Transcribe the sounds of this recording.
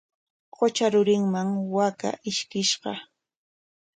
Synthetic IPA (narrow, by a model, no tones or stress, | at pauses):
ɢot͡ʃaɾʊɾɪŋmaŋwaka̰ʔɪʃkɪʃɢɑ